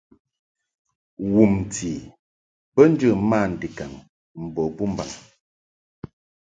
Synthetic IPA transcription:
wu˨m˨ti˨ | bə˦n̩˦d͡ʒɨ˦˨˦ma˦˨n̩˨di˨ka˨ŋ | m̩˨bɔ˨bu˦m˦ba˨ŋ

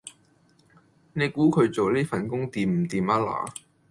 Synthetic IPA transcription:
ne˨˧jkuː˨˥kʰɵ˨˧ɥt͡so˨wliː˥fɐ˨nkʊ˥ŋt̪iː˨mm̩˨˩t̪iː˨ma˥la̰ː˨˩

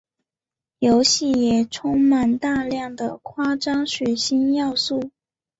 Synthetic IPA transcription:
jo˧˥ʊɕi˥˩jɛ˨˩ʈ͡ʂʰʊ˥ŋma˨˩nt̪a˥˧ljɑ˥˩ŋd̪ə˩kʰwa˥ʈ͡ʂɑ˥ŋɕɥɛ˨˩ɕi˥njɑ˥˧ʊsu˥˩

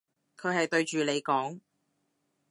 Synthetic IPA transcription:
kʰɵ˨˧hɐ˨jt̪ɵ˧ɥt͡ʃyː˨le˨˧jkɔː˨˥ŋ

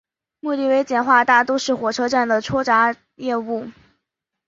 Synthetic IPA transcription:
mu˥˧t̪i˥˩we˧˥ɪt͡ɕjɛ˥˩nxwa˥˧t̪a˥˩t̪ɔ˥ʊʂɻ̩˥˩xwɔ˨˩ʈ͡ʂʰɤ˥ʈ͡ʂa˥˩nd̪ə˩ʈ͡ʂʰwɔ˥ʈ͡ʂa˧˥ | jɛ˥˧u˥˩

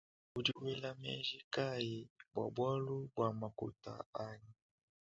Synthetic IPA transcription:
u˨du˨wɛ˦la˦mɛ̰˦nʒi˦ka˦i˨bwa̰˨bwa˦lu˦bwa˨ma˨ko̰˨ta̰˨a˦ɲi˨

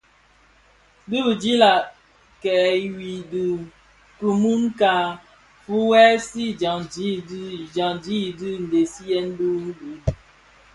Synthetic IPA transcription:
dɨ˦bɨ˨d͡ʒi˦la˨ | kɛː˨˦wi˨dɨ˨ | ku˨mu˦ŋ˦ka˦ | fu˦wɛ˦si˦d͡ʒa˨ŋd͡ʒi˦dd͡ʒa˨ŋd͡ʒi˦˨dɨ˦n̩˨de˨si˦jɛ˦n̩˦du˦n˦di˨

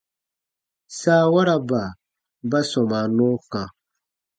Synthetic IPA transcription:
saː˦wa˦ɾa˨ba˨ | ba˦sɔ̃˨ma˨nɔ̃˦kã˨

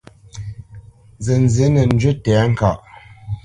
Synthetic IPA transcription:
zə˨n˨zə˨˦nə˨n̩˦d͡ʒɥə˦tɛː˨˦ŋ̩˦˨ka˨ʔ

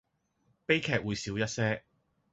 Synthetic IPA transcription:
pe˥jkʰɛː˧k̚wuː˨˧jsiː˨˥wjɐ˥t̚sɛː˥

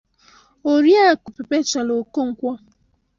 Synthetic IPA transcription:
o˨ɾja˦˨kʊ˨pe˨pe˦t͡ʃa˨lo˨ko˦ŋ̩˨kʷɔ˦

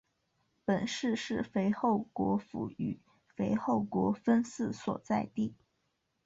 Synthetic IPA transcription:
pə˨˩nʂɻ̩˥˧ʂɻ̩˥˩fe˧˥ɪxo˥˩ʊkwɔ̰˧˥fṵ˧˥y̰˨˩˦ | fe˧˥ɪxo˥˩ʊkwɔ˧˥fə˥nsɹ̩˥˩swɔ̰˨˩t͡sa˥˧ɪt̪i˥˩

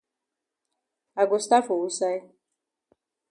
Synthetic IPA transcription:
a˨ɡʊ˨st̪a˦fo˨u˦sa˦i˦

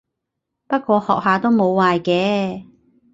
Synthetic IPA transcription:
pɐ˥t̚kʷɔː˧hɔː˨k̚ɦaː˨t̪o˥wmo˨˧wːaː˨jkɛː˨˧˥

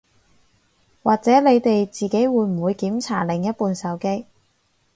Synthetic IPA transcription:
waː˨k̚t͡sɛː˨˥le˨˧jt̪e˨jt͡siː˨ke˨˥jwuː˨˧jm̩˨˩wuː˨˧jkiː˨˥mt͡sʰa̰ː˨˩lɪ˨˩ŋjɐ˥t̚puː˨nsɐ˨˥wke˥j

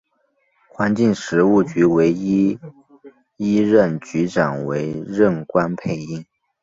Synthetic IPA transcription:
xwa˧˥nt͡ɕi˥˩ŋʂɻ̩˧˥u˥˩t͡ɕy˧˥we˧˥ɪi˥ | i˥ɻə˥˩nt͡ɕy˧˥ʈ͡ʂa˨˩nwe˧˥ɪɻə˥˩nkwa˥npʰe˥˧ɪi˥˩ŋ

